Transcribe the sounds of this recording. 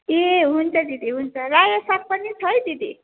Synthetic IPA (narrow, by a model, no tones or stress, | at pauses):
eɦunt͡sʰʌd̪id̪iɦunt͡sʰʌɾajʌsap̚pʌnit͡sʰʌjd̪id̪i